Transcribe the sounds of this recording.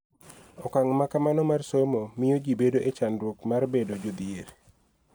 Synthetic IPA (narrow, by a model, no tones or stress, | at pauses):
ɔkaŋmakamanɔmarsomomijod͡ʒibedoʔet͡ʃandwokmarbedod͡ʒod̪ɪeɾ